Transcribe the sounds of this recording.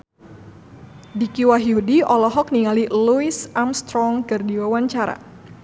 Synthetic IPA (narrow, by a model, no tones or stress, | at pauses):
dikiwaɦiudiɔlɔɦɔk̚niŋaliluisamst̪ɾɔŋkɨrdiwawaɲt͡ʃaɾa̰